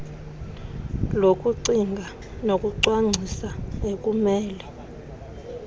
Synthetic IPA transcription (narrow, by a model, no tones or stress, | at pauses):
lokʼuǀiŋɡʱa | nokʼuǀwaŋ͡ǀʱisaekʼumɛːlɛ